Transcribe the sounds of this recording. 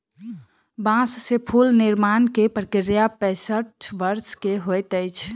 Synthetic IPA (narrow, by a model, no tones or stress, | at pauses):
bãsːepʰulnɪɾmaːnkepɾəkɪɾjapɛ̃səʈbəɾskeɦojt̪əɪt͡ʃʰ